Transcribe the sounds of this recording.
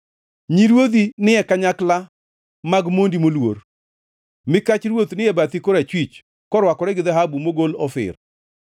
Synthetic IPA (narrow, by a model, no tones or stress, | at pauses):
ɲiɾwod̪inɪɛkaɲakla | maɡmondimolwor | mɪkat͡ʃɾwot̪nɪɛbat̪ikɔɾat͡ʃwit͡ʃ | kɔɾwakɔɾɛɡɪd̪aɦabumoɡolɔfɪ̰r